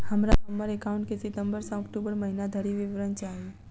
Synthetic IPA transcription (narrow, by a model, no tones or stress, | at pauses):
həmɾasɔməɾekaũɳʈkesit̪əmbəɾsãɔkʈubəɾməɦinad̪ʱəɾiʋiʋɾənt͡ʃaɦe